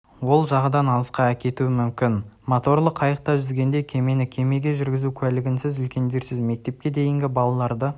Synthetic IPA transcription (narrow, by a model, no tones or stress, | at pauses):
wo̞lˠʒɑʁəd̪ɑnɑlˠəsqɑækʲe̞t̪uɪmʏmkʲɪnmot̪o̞rlˠəqʰːɑjəq̚t̪ɑʒʏzɡʲe̞nd̪ekʲʰe̞me̞nɪkʲʰe̞me̞ɡʲe̞ʒʏɾɡʲɪzukʲʰælɪɡʲɪnsɪzʏlkʲe̞nd̪e̞ɾsɪzme̞k̚t̪e̞p̚kʲe̞d̪e̞jɪŋɡʲɪbɑlˠɑlˠɑɾd̪ə